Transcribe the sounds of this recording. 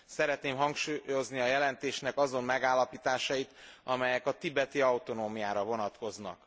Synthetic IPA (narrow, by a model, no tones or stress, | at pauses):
sɛɾɛt̪neːmɦɒŋkʃuːjo̞zniɒjɛlɛnt̪eːʃnɛkɒzo̞mmɛɡaːlːɒpiːt̪aːʃɒjit̪ʔɒmɛjɛkɒt̪ibɛt̪iɒwt̪o̞noːmijaːɾɒvo̞nɒt̪ko̞znɒ̰k